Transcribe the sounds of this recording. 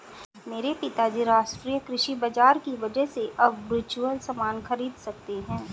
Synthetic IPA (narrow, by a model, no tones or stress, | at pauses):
meːɾepɪt̪ad͡ʒiɾaːʃʈɾijəkɾɪʃibɐd͡ʒaːɾkiʋɐd͡ʒəɦseʔɐbʋɪɾt͡ʃuəlsɐmaːnxɐɾiːd̪sɐk̚t̪eɦɛ̃ː